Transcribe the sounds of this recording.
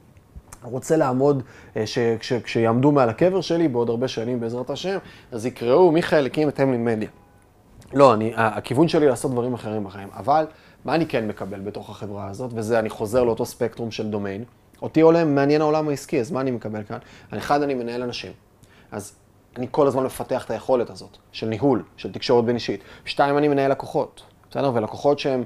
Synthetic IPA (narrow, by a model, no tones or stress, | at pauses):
ʁo̞t͡se̞laːmo̞dʃekʃekʃejaːmdumealake̞veʁʃe̞libeo̞daʁbe̞ʃanimbeːzʁataʃe̞mazikʁeumiχelekimethemlilmed̪ja | lo̞aniaːkivunʃe̞lilaːso̞t̚d̪vaʁimaχe̞ʁimbaχaima̰val | maːnike̞nme̞kabe̞lbeto̞χaχe̞vʁaːzo̞tve̞zeaniχo̞ze̞ʁleo̞to̞spe̞kt̪ʁumʃe̞ld̪o̞me̞jn | o̞tiolemːeanje̞nao̞lamaiskiazmaːnimekabe̞lkanaeχadanime̞nae̞lanaʃim | ʔaz | aniko̞lazmanme̞fate̞aχe̥taje̞χo̞le̞tazo̞tʃe̞lniɦulʃeltikʃo̞ʁet̚beniʃitʃtaimanime̞naelako̞χo̞t | sede̞ʁvelakoχo̞tʃeem